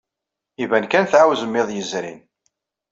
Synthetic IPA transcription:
ivænkænθʕawzəmːɪðˤjəzɾḭn

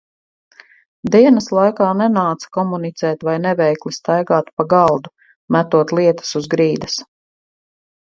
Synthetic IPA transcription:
d̪iɛnɐslˠajkaːnɛnaːt̪sḁkɔmunit̪sɛːt̪vajnɛvɛjklist̪ajɡaːt̪paɡɑlˠd̪u | mæt̪uɔt̪liɛt̪ɐ̥suzɡɾiːd̪ɐs

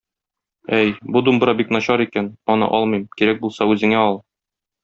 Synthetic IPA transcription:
æjbud̪umbɾɑbiknɒɕɑɾikænɒnɤ̰ʔɒlˠmɤjmkiɾæk̚bulˠsɑʉzɘ̆ŋæɒlˠ

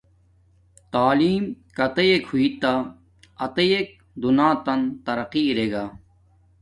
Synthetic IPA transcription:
t̪aːliːmkɐt̪ejekʰhuit̪ːa | ɐt̪ejek̚ | d̪unãːt̪ɐnt̪ɐɾɐqiɾeɡa

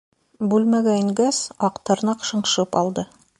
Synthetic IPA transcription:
bʉlmæɡæĭŋɡæsɑqt̪ɤ̆ɾnɑqʃɤ̆ɴʃɤpɑlˠd̪ɤ

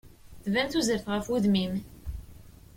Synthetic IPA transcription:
θvænθuzəɾθʁəfuðmim

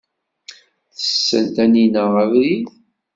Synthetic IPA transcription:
θə̥sːə̰lt̪æninəʁəvɾið

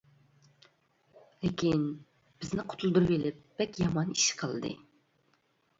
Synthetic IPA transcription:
lekʲin | b̥ɪznɪqʰo̥t̪ʰulˠd̪uɾbelɪp̚b̥ɛkʲjɑmɑniʃqʰəlˠɨd̪ɨ̰

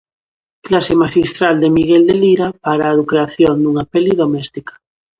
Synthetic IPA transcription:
klasemaʃist̪ɾald̪emiɣ̞eld̪eliɾapaɾaðukɾeaθjond̪uŋapeliðomɛst̪ikḁ

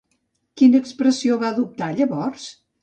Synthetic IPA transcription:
kinəːkspɾəsioβaəðup̚t̪aʎəβɔrs

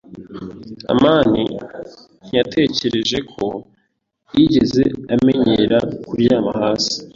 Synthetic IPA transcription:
a̰maːni | n̥jatʰe̞ːce̞ɾe̞ʒe̞kʰo̞ | jiɟe̞ze̞ameɲeɾakuɾjaːma̰haːsi̥

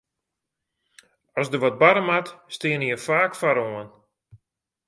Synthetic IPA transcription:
ɔsdəʋɔt̚baɾəmatstɪəniəfaːkfaɾoən

